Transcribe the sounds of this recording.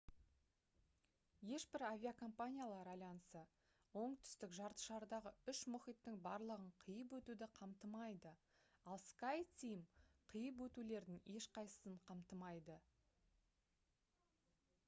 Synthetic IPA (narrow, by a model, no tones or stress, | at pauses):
je̞ʃbɪɾavʲiakʰompanʲijalˠɑɾɑj̪ɑnəsə | wo̞ɴt̪ʰʏ̥st̪ɪkʒɑɾt̪ə̥ʃɑɾd̪ɑʁəʏʃmʊχijt̪ːɪŋbɑɾlˠəʁəɴqʰəjəp̬wɵt̪ud̪ɪqʰɑmt̪əmɑjd̪ə | ɑlˠskajt̪ʲimqʰəjəp̬wɵt̪ule̞ɾd̪ɪŋe̞ʃqʰɑjsə̥səɴqʰɑmt̪əmɑjd̪ə